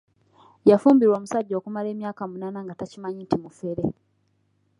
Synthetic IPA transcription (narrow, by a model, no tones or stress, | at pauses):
jafuːmbiɾwoːmusaɟːo̞ːkumale̞ːmjaːkamunaːnaŋɡatacimaɲintimufeɾe